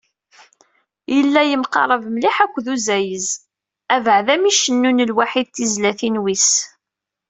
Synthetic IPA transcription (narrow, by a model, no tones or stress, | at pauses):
jəlːæjəmqɑ̰ɾˤəvmliħækʷːðuzæjəz | ævəʕðæmiʃənːunəlwaħiðθizlæθinwis